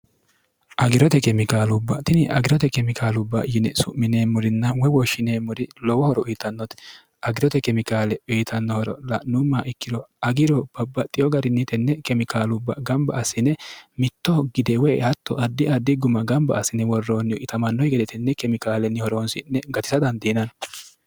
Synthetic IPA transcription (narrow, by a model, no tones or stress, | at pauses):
ʔɐɡɪɾɔt̪ɛkɛmɪkaːlʊbːɐt̪ɪnɪʔɐɡɪɾɔt̪ɛkɛmɪkʰaːlʊbːɐjɪnɛsʊ̰ʔmɪneːmːʊɾɪnːɐwɛwɔʃːɪneːmːʊɾɪlɔwɔhɔɾɔʊjːt̪ɐnːɔt̪ɛ̥ | ʔɐɡɪɾɔt̪ɛkɛmɪkaːlɛʊjt̪ʰɐnːɔhɔɾɔ̰lɐnʊmːaʔɪkːɪd̪ɔɐɡɪɾɔb̥ɐbːɐt̪ʼːɪjɔɡɐɾɪnːɪt̪ɛnːɛkɛmɪkaːlʊbːɐɡɐmbɐːsːɪnːɛmɪt̪ːɔɡɪd̪ɛwɛːhɐt̪ːɔʔɐd̪ːɪɐd̪ːɪɡʊmɐɡɐmbɐ̰ːsːɪnːɛwɔrːoːnːɪɔʔɪt̪ɐmɐnːɔjɡɛd̪ɛt̪ɛnːɛkɛmɪkaːlɛnːɪhɔɾoːnsɪnːɛɡɐt̪ɪ̥sɐd̪ɐnd̪inɐn